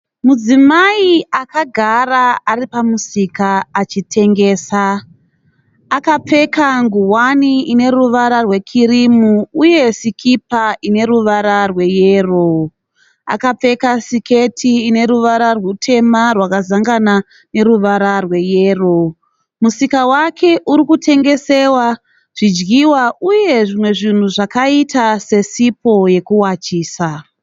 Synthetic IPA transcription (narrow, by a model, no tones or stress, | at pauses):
mud͡zimaiakaɡʱaraaripamusikaːt͡ʃitʰe̞ŋɡe̞ːsa | kap͡fe̞kaŋɡuwaniine̞ruʋaɾarwe̞kʰiɾimuːje̞sikʰipaʔine̞ɾuʋaɾarwe̞jeːro | a̰kap͡fe̞kasike̞tʰiːne̞ɾuʋaɾarwutʰe̞marwakazaŋɡana | ne̞ɾuʋaɾarwe̞jeːro̞ | musikawakʰe̞ʔuɾikutʰe̞ŋɡe̞se̞wa | ʐ̥id͡ʒɡiwauje̞ʐimwe̞ʐin̤uʐakaitase̞sipo̞je̞kuwat͡ʃiːsa